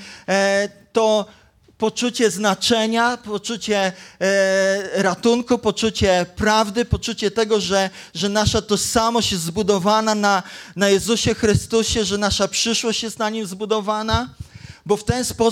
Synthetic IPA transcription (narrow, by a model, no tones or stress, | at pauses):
t̪ɔ | pɔt͡ʂut͡ɕɛznat͡ʂɛɲapɔt͡ʂut͡ɕɛ | ɾat̪uŋkupɔt͡ʂut͡ɕɛpɾavd̪ɘpɔt͡ʂut͡ɕɛt̪ɛɡɔʐɛʐɛnaʂat̪ɔʂsamɔɕt͡ɕjɛzt̪zbud̪ɔvanananajɛzuɕɛxɾɘst̪uɕɛʐɛnaʂapʂɘʂwɔɕt͡ɕjɛst̪naɲimzbud̪ɔvanabɔft̪ɛnspɔ